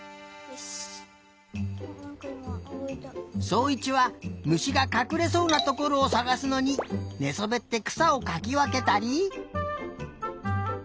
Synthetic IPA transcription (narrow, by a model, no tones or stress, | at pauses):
so̞ːit͡ɕiβamɯ̟ɕiɡakakɯ̟ɾe̞so̞ːnat̪o̞ko̞ɾo̞ːsaɡasɨno̞ɲ̟ine̞so̞be̞t̪ːe̞kɯ̥sao̞kakʲiβake̞t̪aɾʲi